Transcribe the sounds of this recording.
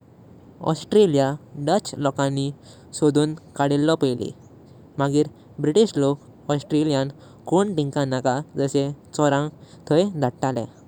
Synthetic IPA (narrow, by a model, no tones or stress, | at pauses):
ɔ̰sʈɾelijaɖət͡ɕlɔkãnːi | sod̪uːnkaɽilːɔpəjlḭ | maɡiːɾ | bɾiʈiɕlok | ɔsʈɾelijan | koɳʈiŋkãnakad͡zəset͡sɔɾãt̪ʰəjd̪ʱaʈʈalɛ̰̃